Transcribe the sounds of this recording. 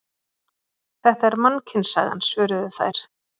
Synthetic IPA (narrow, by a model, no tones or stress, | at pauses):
θɛht̪aɛɾmancʰɪnsa̰ːɣa̰nsvœːɾɪðʏθa̰jɾ̥